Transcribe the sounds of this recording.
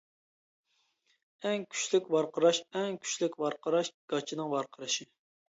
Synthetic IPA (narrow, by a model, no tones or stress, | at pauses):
ɛŋkʲʰy̥t͡ʃlykʲwɑɾqəɾɑʃɛŋkʲʰy̥t͡ʃlɪkʲwɑɾqʰəɾɑʃɡ̥ɑt͡ʃʰinɨŋwɑɾqʰəɾɨʃi